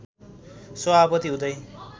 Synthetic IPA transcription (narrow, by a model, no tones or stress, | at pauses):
sʌapʌt̪iɦũd̪ʌj